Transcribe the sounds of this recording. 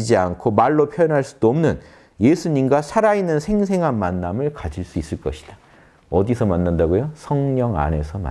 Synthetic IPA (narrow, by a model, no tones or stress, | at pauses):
d͡ʑiankʰomaɭːopʰjʌjʌnɦaɭs͈ud̥oʌmnɯn | je̞sʰuɲimɡasʰaɾainːɯnsʰe̞ŋs̬ʰe̞ŋɦanmanːamɯɭkad͡ʑiɭs͈uis͈ɯɭk͈ʌɕʰi̥d̥a | ʌdisʰʌmanːandaɡojosʰʌŋɲʌŋa̰ne̞sʰʌma̰